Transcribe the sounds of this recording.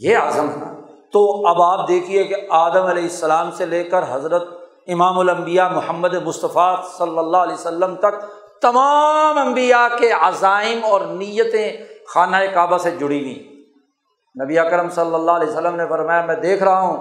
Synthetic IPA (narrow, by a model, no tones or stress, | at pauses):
jeaːzəmɦɛna̰ːt̪oɐbaːp̚d̪eːkʰiekeaːd̪əmɐleːɦɪsːɐlaːmseleːkəɾɦɐzɾət̪̚ | ɪmaːmʊlɐ̃mbijamʊhəmːəd̪emʊst̪əfasɐlːəlːaːɦlɛːsəlːəmt̪ɐk̚ | t̪ɐmamɐ̃mbijakeazaːɪmɔːɾnijət̪ẽxaːnaːekaːbased͡ʒʊɽinḭ̃ː | nɐbiaːkɾəmsɐlːəlːaːɦlɛːsəlːəmnefɐɾmaːjamɛ̃ːd̪eːkʰɾɐɦaɦũː